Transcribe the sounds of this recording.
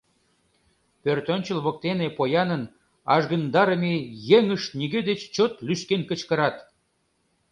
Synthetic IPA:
pørt̪onʲt͡ɕəlβok̚t̪enepojɑnən | ɑ̰ʒɣə̆nd̪ɑɾə̆mejeŋəʃt̪̚niɣed̪et͡ɕt͡ɕot̪lyʃkenkə̆t͡ɕkə̆ɾɑt̪

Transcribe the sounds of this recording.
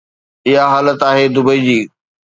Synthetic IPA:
ɪɦaɦaːlət̪aːɦed̪ʊbəid͡ʑiː

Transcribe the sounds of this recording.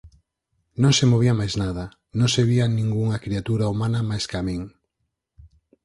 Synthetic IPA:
nõŋsemoβ̞iɐmajznaðɐ | nõŋseβianĩŋɡuŋɐkɾiat̪uɾaumanɐmajskamĩŋ

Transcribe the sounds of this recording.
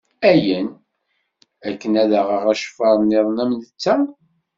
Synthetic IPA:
æjən | ækːənæðəʁəʁæʃə̥fɑɾˤnːiðˤnæmnət͡sːæ

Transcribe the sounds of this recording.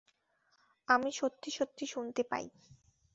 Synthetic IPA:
amiʃot̪ːiʃot̪ʰːiʃunt̪epa̰j̰

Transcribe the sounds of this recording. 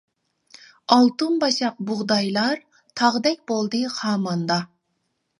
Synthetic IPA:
ɑlˠt̪unbɑʃɑq̚bʊʁd̪ɑjlˠɑɾ | t̪ʰɑʁd̪ɛk̚ʲbolˠd̪ɨχɑːmɑnd̪ɑ

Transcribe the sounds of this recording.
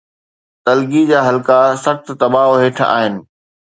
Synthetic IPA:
t̪ɐlɡid͡ʑaːɦɐlkasɐxt̪t̪ɐbaːɦoɦeːʈʰa̰ːɦɪnɪ̆

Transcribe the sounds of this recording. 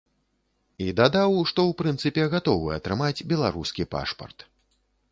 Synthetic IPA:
id̪ad̪awʂt̪ɔwpɾɨnt̪sɨpʲɛɣat̪ɔvɨɐt̪ɾɨmad͡zʲbʲɛlˠa̰ɾuskʲipa̰ʂpɐ̰rt̪

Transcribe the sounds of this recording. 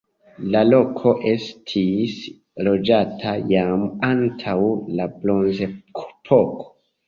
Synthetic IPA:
lalo̞kʰo̞ʔestʰis | lo̞d͡ʒatʰajamantʰawlablo̞nzekʰopʰokʰo̥

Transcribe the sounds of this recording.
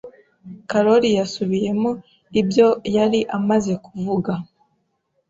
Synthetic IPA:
kaɾo̞ɾijasuβije̞mo | ibjo̞jaɾiʔamaze̞kuvuɡa

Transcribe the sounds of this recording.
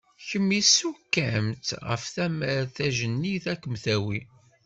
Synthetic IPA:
çəmːisukːæmt̪ʁə̰fθæməɾθæʒənːiθækːəmθæwi

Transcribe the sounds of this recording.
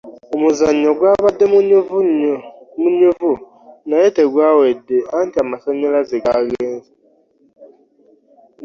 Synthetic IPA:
omʊzaɲ̩ɲɔɡʷabadɪm | muɲuvu | naeteɡʷawedean̩tɪamasɔɲelazeɡaɣen̩zi

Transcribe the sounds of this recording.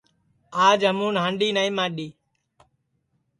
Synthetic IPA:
aːd͡ʒɦəmũːnɦãɳɖiːnaːĩːmãːɗiː

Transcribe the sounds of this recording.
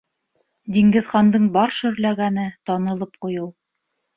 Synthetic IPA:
d̪iŋɡɘ̆ðχɑnd̪ɤɴbɑɾʃɵ̆ɾlæɡænɘt̪ɑnɤ̆lˠɤp̚qujɤw

